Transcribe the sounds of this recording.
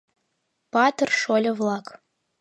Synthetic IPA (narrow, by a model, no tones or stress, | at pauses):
pɑt̪ɨrʂolʲəvlˠɑk